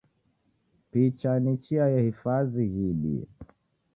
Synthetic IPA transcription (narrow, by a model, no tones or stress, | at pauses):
pit͡ʃanit͡ʃiajahifaziɣiɗḭ